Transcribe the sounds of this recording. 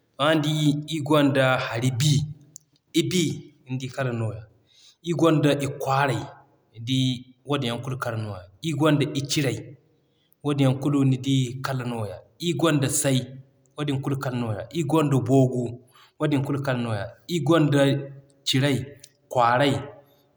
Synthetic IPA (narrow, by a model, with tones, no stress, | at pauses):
ma˦ndi˦i˦ɡʷo˦nda˨ha˨ɾi˦bi˦ | i˦bi˦˨ | n˦di˦ka˦la˨no˨ja˨ | i˦ɡo˦nda˨ʔi˨kʷa˦ɾa˨i˨ | di˦wo˦di˨ja˦ŋku˦lu˦ka˦la˨no˨ja˨i˦ɡo˦nda˨ʔi˦t͡ʃi˦ɾa˨i˨ | wo˦dja˨ŋku˦lu˦ni˨di˦ka˦la˨no˦˨ja˨i˦ɡʷo˦nda˨sa˦i˦ | wo˦di˨ŋku˦lka˦la˨no˦˨ja̰˨ʔi˦ɡo˦nda˨bo˦ɡu˦ | wo˦di˨ŋku˦lka˦la˨no˦ja˨i˦ɡo˦nda˨ | t͡ʃi˨ɾa˦i˨ | kʷa˨ɾa˦i˨